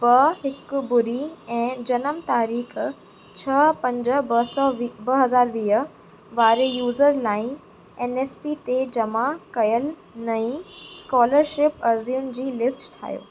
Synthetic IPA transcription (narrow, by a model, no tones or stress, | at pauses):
bɐɦɪkbʊɾiɛ̃ːd͡ʑɐnəmt̪aːɾiːx | t͡ɕʰɐpɐ̃ɲd͡ʑə̆bɐsɔːbɐɦɐzaːɾʋiːɦə | ʋaːɾejuːzəɾlaːɪ̃n | eːneːspit̪ed͡ʑɐmakɐjəl | nɐĩskɔːləɾʃɪpɐɾziʊnd͡ʑiːlɪsʈʈʰa̰ːjo̰ː